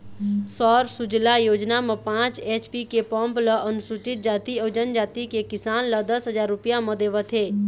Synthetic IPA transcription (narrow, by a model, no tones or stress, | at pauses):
sɔːɾsʊd͡ʒlajoːd͡ʒnamẽpãːt͡ʃeːt͡ʃpikepə̃mpləʔənʊsuʈɪt̪̚d͡ʒaːt̪iod͡ʒənd͡ʒaːt̪ikekɪsaːnləd̪əsɦəd͡ʒaːɾːʊpjãmə̃d̪eːʋət̪ʰeː